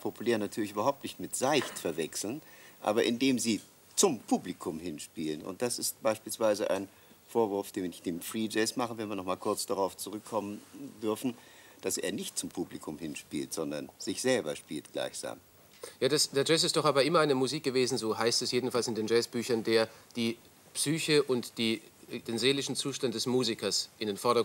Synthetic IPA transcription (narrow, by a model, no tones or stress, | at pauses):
pʰopuleːɐnatʰyːɐlɪçʔyːbɐɦaʊp̚tnɪçtmɪtz̥aɪçtfɛɐvɛksl̩nʔa̰ːbɐʔɪndeːmziː | t͡sʊmpʰuːblikʰʊmhɪnʃpiːlənʊ̰nt̚d̥asɪst̚b̥aɪʃpiːlsv̥aɪzəʔa̰ɪn | foːɐvʊɐfd̥eːɪçd̥eːmfʁ̥iːd͡ʒɛːsmaχən̩vɛnviːɐnɔχmaːlkʰʊɐt͡sd̥aʁaʊft͡suʁʏkʰːɔməndʏɐfn̩ | d̥asʔḛːɐnɪçtt͡sʊmpʰuːblikʰʊmhɪnʃpḭːltz̥ɔndɐnz̥ɪçz̥ɛlbɐʃpiːltɡ̥la̰ɪçz̥a̰ːm | jaːdasd̥eːɐd͡ʒɛs̬ɪstd̥ɔχʔaːbɐʔɪmɐaɪnəmuziːk̚ɡ̥əveːzn̩zoːɦaɪstɛsjeːdn̩falsɪndeːnd͡ʒɛːsb̥yːçɐndeːɐd̥iː | psyːçəʔʊntd̥iːd̥eːnzeːlɪʃn̩t͡suːʃtant̚d̥ɛsmuːzikɐsʔɪndeːnfɔɐɾɐ